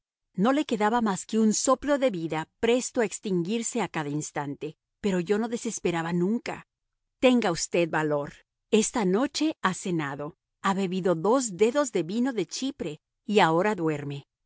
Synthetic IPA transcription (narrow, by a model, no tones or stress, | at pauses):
no̞le̞ke̞ðaβamaske̞unso̞plo̞ðe̞βiðapɾe̞st̪o̞aekst̪iŋɡiɾse̞akaðainst̪ant̪e̞ | pe̞ɾo̞ʝo̞no̞ðe̞se̞spe̞ɾaβanũŋka̰ | t̪e̞ŋɡaust̪e̞ðbalo̞ɾ | e̞st̪ano̞t͡ʃe̞asenaðo̞ | aβe̞βiðo̞ðo̞zd̪e̞ðo̞zðe̞βino̞ðe̞t͡ʃipɾe̞ | iao̞ɾaðwe̞ɾme̞